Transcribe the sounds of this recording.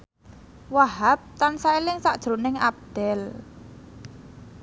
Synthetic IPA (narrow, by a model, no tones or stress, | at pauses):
waɦap̚t̪ansaelɪŋsaʔd̥ʒ̥ɾonɪŋap̚d̪̥ɛl